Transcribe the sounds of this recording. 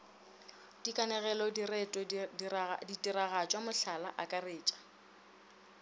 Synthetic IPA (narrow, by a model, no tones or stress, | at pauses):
d̥ikʼanɛɣɛlɔrɛtʼɔ | ditʼiɾaɣat͡ʃʼwamʊɬalaʔakʼareːt͡ʃʼḁ